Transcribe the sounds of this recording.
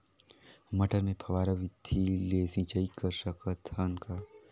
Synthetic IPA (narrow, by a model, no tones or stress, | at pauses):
mɐʈəɾmẽpʰɐʋaːɾɐʋɪd̪ʱileːsĩt͡ʃaikəɾsəkʰət̪ʰankʰa